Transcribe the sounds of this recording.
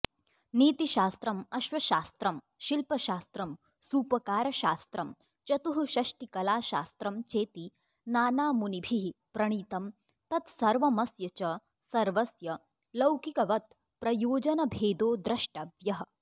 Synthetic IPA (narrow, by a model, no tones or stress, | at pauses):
niːt̪iʃaːst̪ɾɐmɐʃʋɐʃaːst̪ɾɐm | ʃilpɐʃaːst̪ɾɐm | suːpɐkaːɾɐʃaːst̪ɾɐm | t͡ʃɐt̪uɦuʃɐʃʈikɐlaːʃaːst̪ɾɐmt͡ʃeːt̪i | naːnaːmunibʱiɦipɾɐɽ̃iːt̪ɐm | t̪ɐt̪sɐɾʋɐmɐsjɐt͡ʃɐ | sɐɾʋɐsjɐ | lɐwkikɐʋɐt̪̚ | pɾɐjoːd͡ʒɐnɐbʱeːd̪oːd̪ɾɐʃʈɐʋjɐɦɐ̆